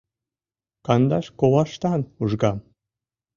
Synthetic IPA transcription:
kɑnd̪ɑʃkowɑʃt̪ɑnuʒɡɑm

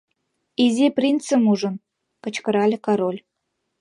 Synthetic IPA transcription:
izʲeprʲint͡sə̆muʒə̆n | kə̆t͡ɕkə̆ɾɑlʲekɑɾolʲ

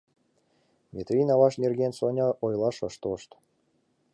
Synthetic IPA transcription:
mʲet̪rʲinɑβɑʃnʲerɡʲensonʲɑʔojlˠɑʃɤʃt̪oʃt̪

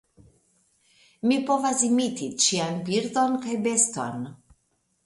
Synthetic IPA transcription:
mipovazimit̪it͡ʃianbiɾd̪onkajbest̪o̰n

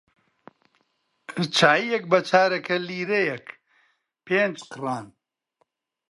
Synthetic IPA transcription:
ɨt͡ʃʰaːijɛk̚bɐt͡ʃʰaːɾɐkʰɐliːɾejɛk | peːnd͡ʒqɨraːn

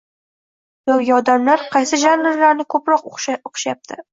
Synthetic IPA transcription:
d̪ɒwɡʲaɒd̪amlaɾqʰɑjsɪʒanlaɾlaɾnɪkʰɵpɾɒqoqʃjap̚t̪ʰɪ

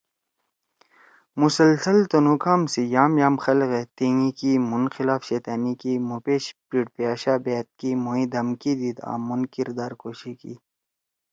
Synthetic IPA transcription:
musɐlsɐlt̪onukaːmsijaːmjaːmxɐlɣet̪iːŋikiːmunxilaːfɕeːt̪aːniːkiːmupeːɕpiʈpijaːɕaːbeːt̪̚kiːmuĩːd̪ɐmkiːd̪id̪a̰ːmːunkiɾd̪aːɾkoːɕikḭ

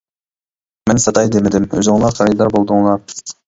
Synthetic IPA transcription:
mɛnsɑt̪ʰɑjd̪emɪd̪ɪmø̰zɪŋlˠɑɾχʰæɾijd̪ɑɾbolˠd̪ʊŋlˠɑɾ

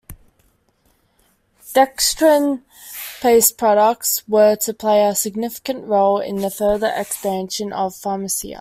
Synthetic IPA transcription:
d̥ɛkstɹə̃n | pʰeɪspʰɹ̥ɒɾək̚tswətʰəpʰl̥eɪəsɪɡ̚nɪfɪ̥kə̃nʔɹoʊlɪ̰̃nðəfɜːðəɹʔɛkspæ̃nʃə̃nʔəv̥fɑməsḭə̰

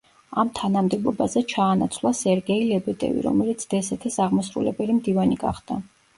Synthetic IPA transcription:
amt̪ʰanamd̪ɛbɔbazɛt͡ʃʰaːnat̪sʰvlˠasɛɾɡɛilɛbɛd̪ʼɛ̰vḭɾɔ̰mɛlit̪sʰd̪̥ɛsɛt̪ʰisaʁmɔsɾṵlɛbɛlimd̪ivaniɡa̰χd̪̥a

